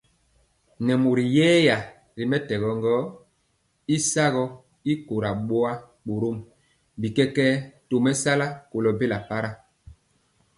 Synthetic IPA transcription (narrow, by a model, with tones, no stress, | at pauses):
nɛ˨mo˨ɾi˨jɛː˦ja˨ | ɾi˨mɛ˦tɛ˨ɣɔ˨ŋɡɔ˦ | i˦sa˦ɣɔ˦ | i˦ko˨ɾa˨ɓo˦a˦ | k͡po˨ɾo˦m | bi˨kɛ˦kɛ˦to˨mɛ˦sa˦la˦ko˨lɔ˨be˦la˨pa˦ɾa˦